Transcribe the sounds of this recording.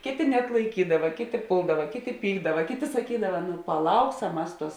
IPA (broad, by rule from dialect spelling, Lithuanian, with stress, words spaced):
ˈkʲeːˌtʲeː nʲɛɐtlˠɐɪˈkʲiːdɐʋɐ ˈkʲeːˌtʲeː ˈpʊlˠdɐʋɐ ˈkʲeːˌtʲeː ˈpʲiːɡdɐʋɐ ˈkʲeːˌtʲeː sɐˈkʲiːdɐʋɐ nʊ pɐˈlˠɐʊksɐm ˈmɐs ˈtuɔs